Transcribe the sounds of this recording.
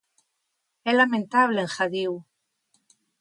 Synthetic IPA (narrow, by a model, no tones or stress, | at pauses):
ɛlamẽnt̪aβleeŋxaðiw